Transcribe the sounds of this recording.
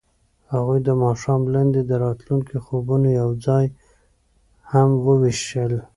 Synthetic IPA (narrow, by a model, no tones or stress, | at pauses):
haɣujd̪əmɑʃɑmland̪ed̪əɾɑt̪luŋkixobunojawd͡zɑj | hamwəwɪʃəl